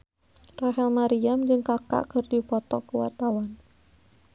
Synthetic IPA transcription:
raɦɛlmaɾiamd͡ʒɨŋkaka̰ʔkərdipɔt̪ɔ̰kəwa̰rt̪awan

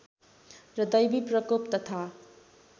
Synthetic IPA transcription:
ɾʌd̪ʌjbipɾʌkop̚t̪ʌt̪ʰa

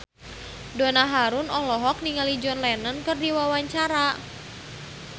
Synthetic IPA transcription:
dɔnaɦaɾunɔlɔɦɔk̚niŋalid͡ʒɔnlɛnənkɨrdiwawaɲt͡ʃaɾa

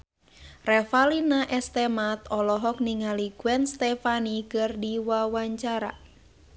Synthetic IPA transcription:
rɛfalinaʔɛst̪ɛmat̪ɔlɔɦɔk̚niŋaliɡwɛnst̪ɛfanikərdiwawaɲt͡ʃaɾa̰

